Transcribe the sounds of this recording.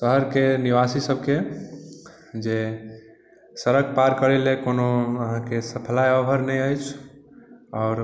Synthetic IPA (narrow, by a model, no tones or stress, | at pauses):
t̪əɦəɾkeniʋasisəb̚ʱke | d͡ʒe | səɾəɡpaɾkəɾɛlekonoəɦãkesəpʰəlajɔbʱəɾnɛjəjt͡ʃʰ | ɔʊɾ